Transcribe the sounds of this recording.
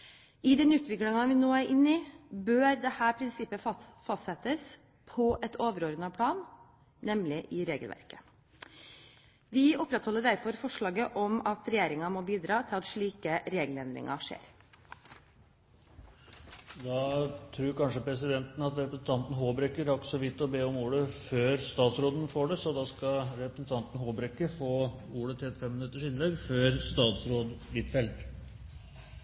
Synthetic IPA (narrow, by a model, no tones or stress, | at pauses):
ɪd̪ɛnʉːt̪ʋɪklɪŋɑʋɪnoːæɾʔɪnːɪbøːɾd̪ɛhæːɾpʰɾɪnsɪpːəfɑst̪sɛt̪əs | pʰɔʔɛt̪ʰoːʋəɾoːɾnɑpʰlɑːnː | ɛmlɪʔɪɾeːɡəlʋæ̰ɾkə̥ | ʋɪɔpːɾɛt̪hɔlːəɖæɾfɔɾfɔʂɭɑːɡəʔɔmɑt̪ɾɛjeːɾɪŋɑmɔːbiːd̪ɾɑːt̪ʰɪlɑt̪ʂɭiːkəɾeːɡəlɛnd̪ɾɪ̰ŋɑ̰ʂḛːɾ | d̪ɑːt̪ʰɾuːɾkʰɑnʂəpɾɛsɪd̪ɛnt̪n̩ɑt̪ɾɛpɾəsn̩t̪ʰɑnt̪n̩ɦoːbɾɛkːəɾɑksɔʋɪt̪ːɔbeːɔmuːɽəføːɾst̪ɑːt̪sɾoːd̪nfoːɖɛsɔd̪ɑskɑɾɛpɾəsn̩t̪ʰɑnt̪n̩hoːbɾɛkːəɾfoːuːɽət̪ʰɪlɛt̪fɛmːənʉt̪ːəʂɪnlɛɡføːɾst̪ɑːt̪sɾoːd̪bɪt̪fɛld̪